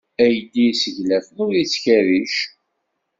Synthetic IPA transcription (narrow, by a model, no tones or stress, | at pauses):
æjəd̪isəʝlæθənʊɾit͡sːçæɾiʃ